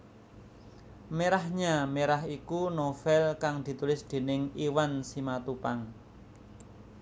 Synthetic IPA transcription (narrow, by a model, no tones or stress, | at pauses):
meɾahɲameɾaɦikunofɛlkaŋd̪̥i̤t̪ulɪsd̪̥e̤nɪŋiwansimat̪upaŋ